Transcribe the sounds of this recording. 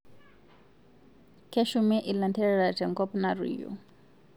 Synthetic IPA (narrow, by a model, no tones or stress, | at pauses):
kʰɛʃumɛʔilantʰɛɺɛɺatɛŋkɔpnarḭjɔ̰